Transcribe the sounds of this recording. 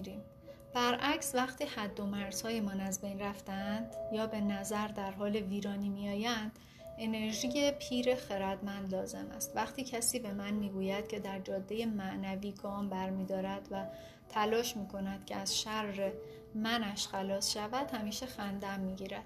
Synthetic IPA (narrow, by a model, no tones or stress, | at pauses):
ɾiːm | b̥æɾʔæcsvæχt̪ʰiːhæd̪ːo̞mæɾz̥hɒːjemɒnæzbejnræft̪ænd̪jɒːbe̞næzæɾd̪æɾɦɒːleviːɾɒːniːmiɒːjænd̪̥ | ʔe̞ne̞ɾʒiːje̞pʰiːɾe̞xe̞ɾæd̪mænd̪lɒːze̞mæ̰st̪væχt̪ʰiːcʰæsiːbe̞mænmiːɡuːjæd̪̥̚cʰe̞d̪æɾd͡ʒɒːd̪ːe̞je̞mæʔnæviːɡɒːmbæɾmiːd̪ɒːɾæd̪̥væ | t̪ʰælɒːʃmiːkʰo̞næd̪̥cʰeæz̥ʃæɾːe | mænæʃxælɒːsʃævæd̪̥hæmiːʃe̞xænd̪æmːiːɟiːɾæd̪̥